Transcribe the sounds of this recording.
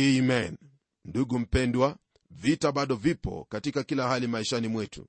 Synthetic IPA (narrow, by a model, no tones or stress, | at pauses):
imɛn | nduɡum̩pɛndwa | vitaɓaɗɔvipɔ̰katikakilahalimaiʃanimwɛtṵ